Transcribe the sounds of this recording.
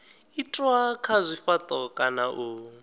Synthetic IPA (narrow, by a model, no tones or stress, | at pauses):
itʼwakʰazʷifat̪ʼɔkʼanaʔu